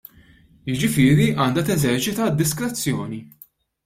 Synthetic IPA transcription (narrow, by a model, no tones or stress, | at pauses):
jɪd͡ʒɪfɪːɾiʔɐːnd̪ɐt̪ɛzɛɾt͡ʃɪt̪ɐd̪ːɪskɾɛt͡sːjɔːni